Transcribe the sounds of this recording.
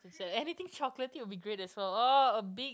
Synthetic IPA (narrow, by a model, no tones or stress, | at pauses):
sɛɛnit̪ɪ̃ŋt͡ʃɔklətiwʊbiɡɹetɛswɛloəbiɡ